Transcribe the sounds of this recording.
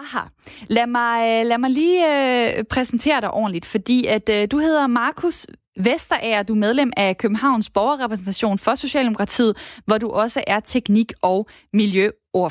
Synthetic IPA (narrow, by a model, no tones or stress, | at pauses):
hɑlæmɑ̈ɪlæmɑ̈ɪliːøpʰʁɛsn̩t͡sʰe̝̰ːɐɾ̥ɑ̈ɪʔɒ̰ːnlid̥fɒ̽d̥ḭːæd̥d̥uɦe̝ðˠɐmɑ̈ːkʰus | ʋesd̥ɐʔæɐd̥umeð̞ˠlem̰ækʰøb̥m̩ɦhɑ̈ʊnsb̥ɒʊɐʁɛpʰʁɛsn̩t͡sʰæɕo̝̰ːnfɒ̽so̝ɕɛ̰ːld̥emo̝kʰʁɑ̈t͡sʰḭːð̩ˠʋɒduʔɒ̽səʔæɐt͡sʰeɡ̥niɡ̥ɒʊ | miljø | o